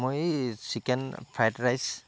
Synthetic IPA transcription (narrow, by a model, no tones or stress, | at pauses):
mojsikɛnpʰajtɹajs